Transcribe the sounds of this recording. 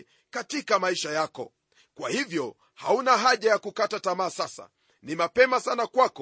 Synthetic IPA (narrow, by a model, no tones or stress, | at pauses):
katikamaiʃajakɔ̰ | kwahivjɔ | haunaɦaʄajakukatatamaːsasa̰ | nimapɛmasanakwakɔ